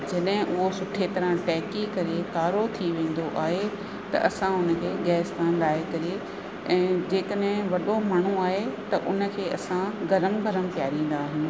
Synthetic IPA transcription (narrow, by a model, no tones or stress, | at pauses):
d͡ʑɐɗɦɪ̃ʔʊɦosʊʈʰet̪ɐɾə̃ʈɛːkikɐɾekaːɾot̪ʰiʋẽːn̆d̪oʔaːɦe | t̪ɐ̰ʔɐsãʊnəkʰeːɡɛːskaːnɾaːekɐɾe | ɛ̃ːd͡ʑeːkəɗɦɪ̃ʋɐɗomaːɳ̤uaːɦet̪ɐʔʊnə̆kʰeːɐsãɡɐɾəmbʱɐɾəmpijaːɾĩːn̆d̪aːɦɪnɪ̆